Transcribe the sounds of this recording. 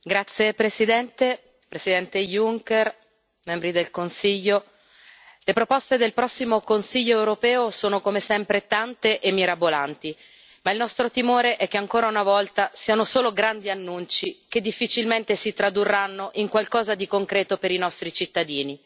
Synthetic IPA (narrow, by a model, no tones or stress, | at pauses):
ɡɾat̪sːjepɾesid̪ɛnt̪e | pɾesid̪ɛnt̪ejuŋker | mɛmbɾid̪elkonsiʎːo | lepɾopɔst̪ed̪elpɾɔsːimokonsiʎːoewɾopɛːosoːnokomesɛmpɾet̪ant̪eʔemːiɾabolant̪i | mailnɔst̪ɾot̪imoːɾeʔɛk̟ːeaŋkoːɾaunavɔlt̪asiːanosoːloɡɾand̪ianːunt͡ʃiked̪ːifːit͡ʃilment̪esit̪ɾad̪urːanːoʔiŋkwalkɔːzad̪ikoŋkɾɛːt̪opeɾinɔst̪ɾit͡ʃit̪ːad̪iːni